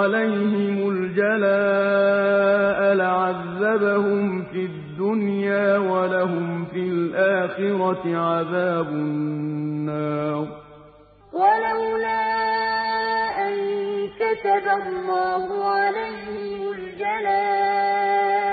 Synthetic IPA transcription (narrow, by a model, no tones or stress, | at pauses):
alajhɪmʊld͡ʒalaː | ʔalaʕaðːabahʊmfɪd̪ːʊnjaːwalaɦʊmfilʔaːxɪɾɑʕaðaːbʊnnːɑːɾˤ | walawlaː | ʔankat̪abalːɑːhʊʕalajhɪmʊld͡ʒalaː